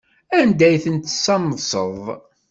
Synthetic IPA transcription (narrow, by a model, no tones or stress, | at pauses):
ænd̪æjθənt̪ːsːɑməðsˤəðˤ